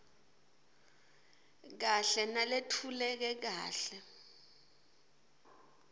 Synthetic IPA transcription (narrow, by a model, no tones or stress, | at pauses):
k̬aɬɛnaletʰulɛk̬ɛk̬aːɬɛ